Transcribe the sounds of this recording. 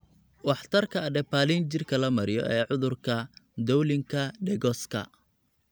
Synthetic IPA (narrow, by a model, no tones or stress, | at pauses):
wɑħt̪ʰɐrkʰɐːɖɛpaːlint͡ʃɪrkʰɐlɐmɐɾɪjɔ̰ʔɛːʕʊðʊrkʰɐd̪ɔwlɪŋkʰɐɖɛɡɔskʰɐ̰